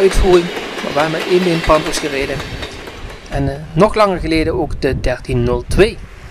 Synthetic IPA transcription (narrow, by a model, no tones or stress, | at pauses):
œɥtfuːrɪŋma̰ʋaːmaʔeːnbenpɑntɔsxəreːdən | ɛnnɔχlɑŋəɹɣəleːdənoːkdədɛɹtinːɵlˠtʰʋeː